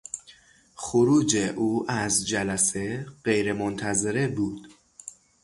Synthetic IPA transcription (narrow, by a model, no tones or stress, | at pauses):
xoɾuːd͡ʒeʔuːʔæzd͡ʒælæse̞ɢe̞jɾemont̪ʰæzeɾebuːd̪̥